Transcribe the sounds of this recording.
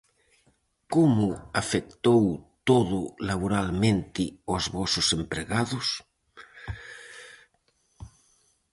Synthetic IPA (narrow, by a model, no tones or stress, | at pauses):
komʊafek̚t̪owt̪oðʊlaβ̞oɾalmẽnt̪ɪozβɔsʊsempɾeɣaðʊs